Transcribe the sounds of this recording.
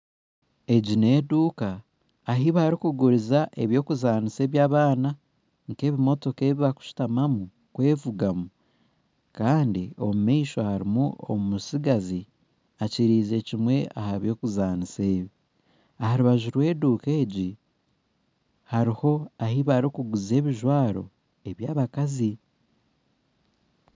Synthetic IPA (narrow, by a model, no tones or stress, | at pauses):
e̞ɟine̞ːduːkaː | ɦiβaɾikuɡuɾizaʔe̞βjo̞ːkuzaːnise̞ːβjaːβaːna | ŋke̞ːβimo̞to̞ke̞ːβiβaku̥ʃu̥tamamu | kwe̞ːvuɡamu | kaːndio̞mumiːʃohaɾimuo̞̰mumusiɡazi | aciɾiːze̞cimwe̞a̰haβjo̞ːkuzaːnise̞ːβi | ahaɾuβaʒuɾwe̞ːduːke̞ːɟi | haɾiho̞ahiβaɾikuɡuze̞ːβiʒwaːɾo̞̰ | e̞βjaːβakazi